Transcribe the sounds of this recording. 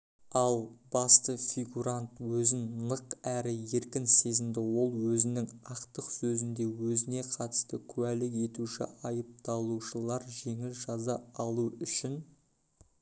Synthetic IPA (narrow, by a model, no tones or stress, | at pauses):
ɑlˠbɑst̪əfʲiɡuɾant̪wɵzɪnnˠəqæɾɪje̞ɾkʲɪnse̞zɪmd̪ɪwo̞lˠwɵzɪnɪŋɑqt̪əqsɵzɪnd̪e̞wɵzɪne̞qʰɑt̪ə̥st̪əkʲʰʉwælɪke̞t̪uʃɪ̰ʔɑjəp̚t̪ɑlˠuʃəlˠɑɾʒe̞ŋɪlʒɑzɑɑlˠuʏʃɪn